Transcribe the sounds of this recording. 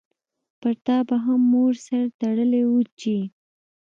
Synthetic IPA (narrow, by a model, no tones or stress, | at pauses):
paɾt̪ɑbaɦamːoɾsaɾt̪aɽəlewut͡ʃi